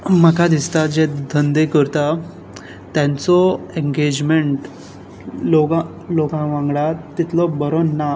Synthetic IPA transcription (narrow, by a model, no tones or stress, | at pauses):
məkad̪ist̪ad͡ʑed̪ʱənd̪ekəɾt̪a | t̪ãnt͡sɔeŋɡed͡ʑmeɳʈ | loɡã | lokãʋãŋɡɭat̪ːit̪lɔbəɾɔnːa